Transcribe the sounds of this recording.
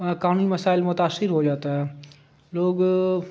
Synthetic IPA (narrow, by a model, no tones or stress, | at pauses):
kaːniməsaːɪlmʊt̪aːsɪɾɦoːd͡ʒaːt̪aɦɛː | loːɡ